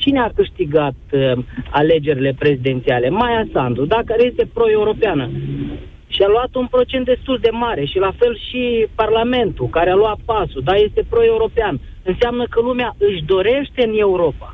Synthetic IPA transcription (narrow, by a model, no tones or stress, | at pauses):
t͡ʃineakɨʃt̪iɡat̪ale̞d͡ʒe̞ɾile̞pɾe̞zid̪e̞nt̪siale̞majasand̪ud̪akaɾeje̞st̪e̞pɾo̞e̞uɾo̞peanə | ʃialuat̪unpɾo̞t͡ʃent̪̚d̪e̞st̪uld̪e̞maɾe̞ʃilafe̞lʃiparlame̞nt̪ukaɾealoat̪̚pasud̪aje̞st̪e̞pɾo̞e̞uɾo̞pean | ɨnseamnəkəlumeaʔɨʃd̪o̞ɾe̞ʃt̪e̞ɨne̞uɾo̞pa